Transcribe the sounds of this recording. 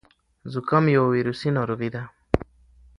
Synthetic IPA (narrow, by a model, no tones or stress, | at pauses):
zukamjowiɾusinɔɾuviða